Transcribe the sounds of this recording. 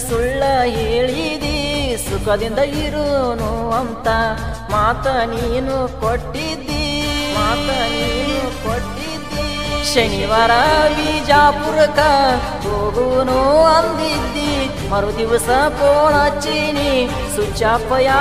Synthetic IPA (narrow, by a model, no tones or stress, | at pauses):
suɭːɐɦeːɭid̪isukɐd̪ind̪ɐiɾunuɐnt̪ɐ | maːt̪ɐniːnukoʈːid̪ːimaːt̪ɐniːnukoʈːid̪ːi | ʃɐniʋaːɾɐʋiːd͡ʒaːpuɾɐkɐ | koːɡunuɐnd̪id̪ːi | mɐɾud̪iʋɐsɐkoːɳɐt͡ʃːini | sut͡ʃaːpːɐja